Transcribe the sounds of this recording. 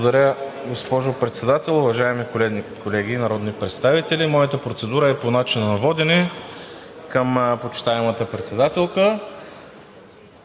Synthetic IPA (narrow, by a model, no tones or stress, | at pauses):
od̪ɐɾʲjəɡospɔʒopɾɛt̪sɛd̪at̪ɛlˠʊvɐʒaɛmikolɛkolɛɡ̟inɐɾɔd̪nipɾɛt̪st̪avit̪ɛlimɔjət̪əpɾot̪sɛd̪uɾəɛponat͡ʃinənɐvɔd̪ɛnɛ | kəmpot͡ʃi̥t̪aɛmət̪əpɾɛt̪sɛd̪at̪ɛlˠkə